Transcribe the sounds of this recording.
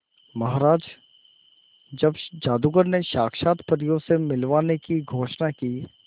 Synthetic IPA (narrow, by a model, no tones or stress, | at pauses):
mɐɦaːɾaːd͡ʒ | d͡ʒɐbd͡ʒaːd̪uɡəɾneʃaːkʰʃaːt̪pəɾjõsemɪlʋaːnekiɡʱoːʃnakiː